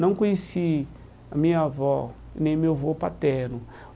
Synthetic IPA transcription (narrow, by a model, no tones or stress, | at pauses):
nɐ̃w̃kõjesi | amĩɲavɔ | nẽj̃mewvopat̪ɛɾnʊ